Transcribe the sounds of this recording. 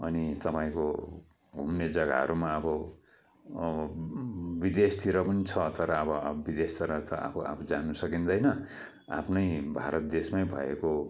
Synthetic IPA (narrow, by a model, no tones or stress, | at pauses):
ʌnit̪ʌpaĩko | ɡʱumned͡zʌɡa̰ɦʌ̰ɾumaʌbʌ | bid̪est̪ʰiɾʌpʌnit͡sʰʌt̪ʌɾʌːbʌbid̪est̪ʰiɾʌt̪ʌʔa̰pʰoa̰pʰd͡zanusʌkind̪ʌjnʌ | a̰pʰnʌjbʱaɾʌt̪̚d̪esmajbʱʌ̰ḛko